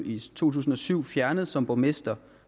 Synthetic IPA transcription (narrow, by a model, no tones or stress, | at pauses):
it͡sʰo̝̰ːt͡sʰuːsn̩ɒ̽syʊ̰fjæɐnəð̞̩ˠsɒ̽mb̥omesd̥ɐ